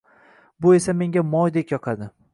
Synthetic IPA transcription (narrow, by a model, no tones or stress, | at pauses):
bʊe̞same̞ŋɡʲamɒjd̪ekʲjɒqʰad̪ɪ